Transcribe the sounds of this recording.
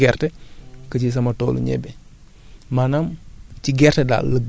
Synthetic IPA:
ɛrtɛkəcis̬ɐmɐtɔːlṵɲɛ̰bɛ | manamciɡɛrtɛda̰ːləb

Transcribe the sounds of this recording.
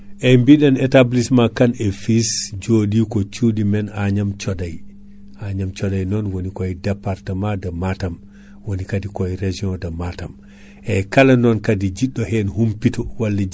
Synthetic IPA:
ʔɛmbiɗanɛtablismakanɛfisd͡ʒodikɔt͡ʃudimɛnaɲamt͡ʃɔdaj | ʔaɲamt͡ʃɔdajnɔnwonikɔjdapːaɾtamadamatam | wonikadikɔjɾed͡ʒiɔ̃damatam | ʔɛkalanɔnkadid͡ʒiɗːɔhɛnhumpitɔwalːɛ

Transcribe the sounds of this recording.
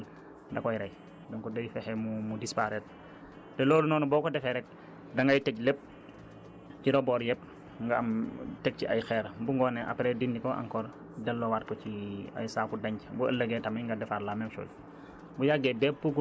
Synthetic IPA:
ndɐkɔjɾɛj | dɔŋkɔdɔjfɛxɛmumudispaɾɛt̚ | tɛlɔːlunɔːnubɔːkɔdɛfɛɾɛk̚ | dɐŋɡɐjtɛclɛp̚ | ciɾɔbɔːɾjɛp̚ | ŋɡaɐmtɛk̚ciɐ̰jxɛːɾbuŋɡɔːnɛʔɐ̰pɾɛdindikɔʔɐ̰ŋkɔːɾ | dɐlːɔwaːt̚kɔciɐ̰jsaːkudɐɲcbuəlːəɡɛːtɐmɐŋɡɐdɛfaɾlamɛmʃɔ̰ːl | bujaɡɛdɛp̚buɡu

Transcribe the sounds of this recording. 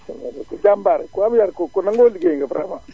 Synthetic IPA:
ekud͡ʒambaɾɛkuamjaɾkokunaŋɡoliɡeiŋɡapɾa̰ma

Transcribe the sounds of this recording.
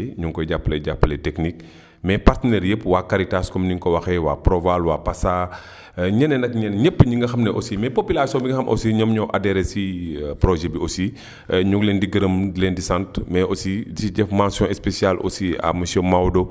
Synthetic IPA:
ɲuŋkɔjɟapːlɛjɟapːəlɛtɛknik̚ | mɛpartənɛɾjəpːwakaɾitaskɔmniŋkɔwɐxɛwa̰ːpɾɔvalwapasa | ɲɛnɛnɐkɲɛnɲəpːɲiŋɡɐxɐmnɛʔosimɛpopilasjɔ̃biŋɡɐxɐmʔɔ̰siɲɔmɲɔʔadɛɾɛsipɾɔʒɛbiosi | ɲuklɛːndiɡɐɾəmlɛndisãntmɛosidisiɟɛfmãsjɔ̃ɛspesijalʔo̰sia̰mɐsjɔ̃mawdo

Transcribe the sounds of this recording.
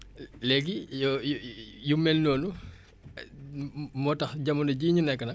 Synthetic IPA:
lɛɡij | jumɛlnɔːnu | mɔtɐxɟɐmundɐɟiɲunɛkːɐnɐk̚

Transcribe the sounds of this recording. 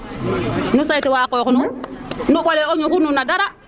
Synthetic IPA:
nusajtewaːkokununuɓoleoɲukununadaɾa

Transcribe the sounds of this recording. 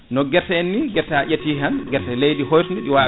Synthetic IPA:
nɔɡɛɾtɛnːiɡɛɾtaʔetianɡɛɾtɛlejdiɦɔjtndiɗiwa

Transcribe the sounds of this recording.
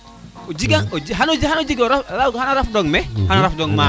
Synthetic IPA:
ud͡ʒiɡaŋod͡ʒiɦanud͡ʒiɦanud͡ʒiɡɔɾafɾaɦanɔɾafdɔŋmɛhanɔɾafdɔŋma

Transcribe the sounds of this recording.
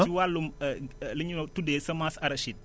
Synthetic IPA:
iwalːumliɲunotudesɐmasɐɾɐʃit̚

